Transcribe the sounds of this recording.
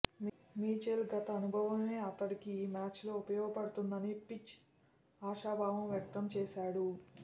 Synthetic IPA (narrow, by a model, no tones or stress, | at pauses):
miːt͡ʃelɡɐt̪ɐːnubʱɐʋɐme̞ːɐt̪ɐɽikimaːt͡ʃlo̞ːupɐjɔːɡɐpɐɽut̪und̪ɐnipit͡ʃ | aːʃaːbʱaːʋɐmʋjɐk̚t̪ɐmt͡ʃɛːʃaːɽu